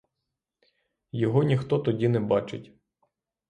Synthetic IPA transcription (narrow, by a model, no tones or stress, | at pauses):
jɔɦɔnʲixt̪ɔt̪ɔdʲinɛbɑt͡ʃɪtʲ